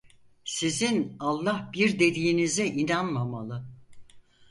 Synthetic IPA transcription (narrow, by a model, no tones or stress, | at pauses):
sizinalˠːahbiɾd̪e̞d̪iːinizɛʔinanmamalˠɯ